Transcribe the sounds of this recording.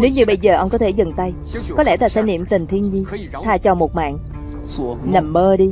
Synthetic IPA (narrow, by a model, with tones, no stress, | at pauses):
ne˨˦wɲɨ˧ɓə˧jzəː˨˩ʔə˧wŋ͡mkɔ˨˦t̪ʰe˧˩zə˨˩ŋt̪a˧j | ɔ˨˦lɛ̰˧˥˩t̪aː˧˩saː˧˥˦jnḭ˧˨əmt̪ï˨˩ŋ̟t̪ʰi˧ənzi˧ | t̪ʰaː˧t͡ɕɔ˨˩mo˨˩t̚ma̰ː˧˨n | na˨˩mɓəː˧ɗi˧